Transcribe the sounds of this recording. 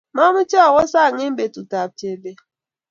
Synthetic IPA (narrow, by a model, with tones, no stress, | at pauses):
ma˦mʊ˦t͡ʃi˦ɔ˦˨wɔ˦sa˦˨ŋe˦m̩˦be˨tu˨ta˨b̚te˨be˦